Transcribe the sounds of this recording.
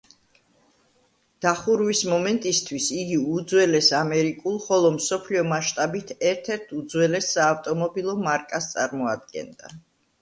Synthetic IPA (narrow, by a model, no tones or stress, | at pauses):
d̪̥aχuɾwismɔmɛnt̪ʼist̪ʰwisiɡiud̪zwɛlɛsamɛɾikʼulˠχɔlˠɔmsɔpʰliɔmaʃt̪ʼabit̪ʰɛɾt̪ʰɛɾt̪ʰud̪zwɛlɛsːaːft̪ʼɔmɔbilˠɔmaɾkʼast̪sʼaɾmɔa̰d̪ɡɛ̰nd̪a̰